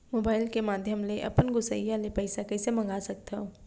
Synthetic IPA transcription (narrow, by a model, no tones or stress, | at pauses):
moːbaːɪlkemaːd̪ʱjəmleʔɐ̰pənɡʊsə̰ijalepɐɪsakɛːsemɐ̃ŋɡaːsɐk̚t̪aɦo